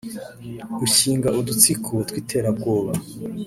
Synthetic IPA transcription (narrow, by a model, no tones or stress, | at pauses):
ɡuɕiːŋɡaʔudut͡sikʰutwiːtʰe̞ːɾab̚ɡoːβa